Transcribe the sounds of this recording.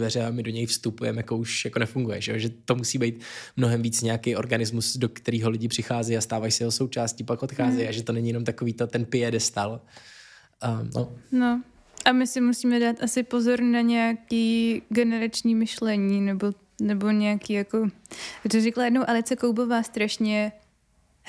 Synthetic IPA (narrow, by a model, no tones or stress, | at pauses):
vɛɾɛamɪdo̞ɲɛjfst̪upujɛmɛjakouʃjakonɛfuŋɡujɛʒɛjoʒɛt̪omusiːbɛjt̪mnoɦɛmviːt͡sɲɛakejo̞ɾɡanɪzmusdokt̪ɛɾiːɦolɪɟɪpr̝̥ɪxaːzɛjast̪aːvajisɛjɛɦoso̞wt͡ʃaːscipakʔot̪xaːzɛjaʒɛt̪onɛɲijɛnomt̪akoviːt̪ot̪ɛnpɪɛdɛst̪al | nʔo̰no | ʔamɪsɪmusiːmɛdaːt̪ʔasɪpo̞zo̞ɾnaɲɛjakiːɡɛnɛɾat͡ʃɲiːmɪʃlɛɲiːnɛbo̞ | nɛbo̞ɲɛakiːjako̞rɪzɛklajɛdnowʔalɪt͡sɛkowbo̞vaːst̪ɾaʃɲɛ